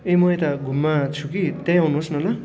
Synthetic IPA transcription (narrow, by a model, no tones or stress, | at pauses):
emʌet̪aɡʱumːat͡sʰukit̪ãjawnuɦosnʌla